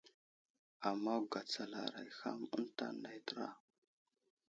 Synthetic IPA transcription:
a˨mːa˦wɡa˨t͡sa˨la˨ɾa̰˨jxa̰˦mə̰˦nta̰˦nda˨jtɾa˦

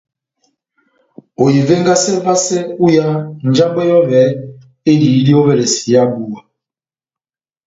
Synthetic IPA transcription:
o˨ji˨vɛ˦ŋɡa˦sɛ˦va˦sɛ˦u˦ja˦n˨d͡ʒa˦mbɔ˦jɔ˦βɛ˨˦ | e˦li˨i˦li˦o˦βɛ˨le˨si˨ja˦bu˨a˨

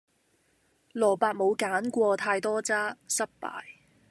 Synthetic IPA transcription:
lɔː˨˩paː˧t̚mo˨˧wkaː˨˥nkʷɔː˧t̪ʰaː˧jt̪ɔː˥t͡saː˥sɐ˥p̚pa̰ː˨˩j

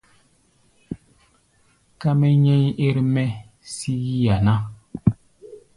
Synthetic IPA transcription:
ka˦mɛ˦ɲɛ˦ɲ˦e˦ɾmɛ˦ | si˦ɣi˦ja˨na˦

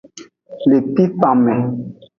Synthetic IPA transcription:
le˨pi˦fa˨mɛ˨

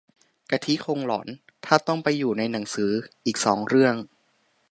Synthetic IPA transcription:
ka˧t̪ʰi˦˥kʰo˧ŋlɔ̰ː˩˦n | t̪ʰaː˥˩t̪ɔ˥˩ŋpa˧jːuː˨˩na˧jna˩˦ŋsɯː˩˦ʔiː˨˩k̚sɔː˩˦ŋɾɯ˥˩əŋ

